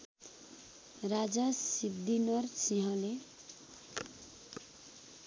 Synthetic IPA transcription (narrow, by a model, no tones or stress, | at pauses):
rad͡zasib̚d̪inʌrsiɦʌ̃le